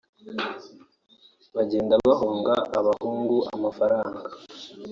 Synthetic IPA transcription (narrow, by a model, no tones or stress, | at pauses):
βaɟeːndaβahoːŋɡaʔːβahuːŋɡuʔa̰mafaɾaːŋɡḁ